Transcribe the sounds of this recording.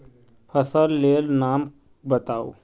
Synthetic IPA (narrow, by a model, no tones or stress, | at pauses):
pʰəsəlːeːlnaːm | bət̪aːo̰ː